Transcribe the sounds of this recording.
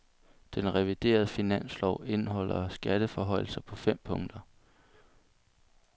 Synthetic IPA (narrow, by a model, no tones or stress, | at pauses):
d̥enʁɛʋid̥e̝̰ːɐð̞̩ˠəfinæn̰slɒʊ̰e̝nhɒ̽l̰ɐsɡ̥æd̥əfɒɦɒ̽ɪ̰l̩sɐpʰɒ̽fem̰pʰɔ̽ŋd̥ɐ